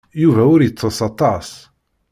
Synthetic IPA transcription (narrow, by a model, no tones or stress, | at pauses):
juvæʊɾjət͡sˤːəsɑt̪ˤɑs